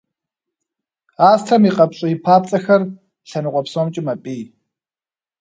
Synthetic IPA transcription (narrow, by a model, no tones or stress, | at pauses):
aːstʰɐmiːqʼɐpɕʼɪjipʰaːp̚t͡sʼɐxɐr | ɬɐnɨqʷʼɔpsomt͡ʃʼɪmɐpʼiː